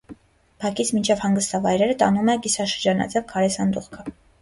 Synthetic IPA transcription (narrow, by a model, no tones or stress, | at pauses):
pʰɑkit͡sʰmint͡ʃʰɛvhɑŋɡəst̪ɑvɑjɾɛɾət̪ɑnumɛɡisɑʃəɾd͡ʒɑnɑ̰t͡sɛvkʰɑɾɛsɑnd̪uχkʰə